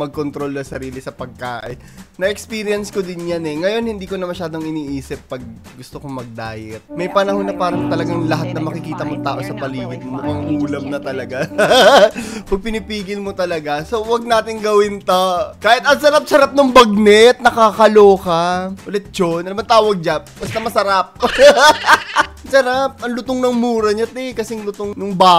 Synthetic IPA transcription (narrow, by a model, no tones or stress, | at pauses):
mɐɡ̚kont̪ɾo̞lnɐsɐɾiːlɪsɐpɐɡ̚kaːʔɪnnɐʔɛkspiːɾɪjɐnskod̪ɪnjanɛŋɐjo̞nhɪnd̪iːkonɐmɐʃaːd̪o̞ŋɪniːʔiːsɪpːɐɡ̚ | ɡʊst̪okomɐɡ̚d̪aːjɛt̪̚mɐjpɐnɐhonːɐpaːɾɐŋt̪ɐlɐɡaŋlɐɦat̪̚nɐmɐkɪkiːt̪ɐmʊŋt̪aːʔo̞sɐpɐliːɡɪt̪̚moʔɐŋʔuːlɐmnɐt̪ɐlɐɡa | wɐɡ̚pɪnipiːɡɪlmot̪ɐlɐɡaso̞wɐɡ̚naːt̪ɪŋɡɐwɪnt̪ɐkaːhɪt̪ɐŋsɐɾap̚sɐɾap̚nʊŋbɐɡ̚nɛɐt̪̚nɐkakɐloːkɐʔolɛt̪̚t͡ʃonʔɐlɐmɐnt̪aːwɐɡ̚d͡ʒabɐst̪ɐmɐsɐɾap̚ | sɐɾap̚ʔɐŋlʊt̪oŋnɐŋmuːɾɐɲɐt̪ɛkɐsɪŋlʊt̪oŋnʊŋbaː